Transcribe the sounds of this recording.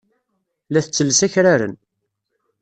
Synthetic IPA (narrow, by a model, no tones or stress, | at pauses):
læθət͡sːəlːsæçɾaɾə̰n